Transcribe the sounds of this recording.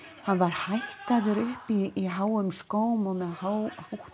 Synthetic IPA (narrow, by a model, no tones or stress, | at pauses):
hanvaɾ̥hajht̪aðʏɾʏhpiːɦaːwʏmskoːwmɔmɛðhawhuh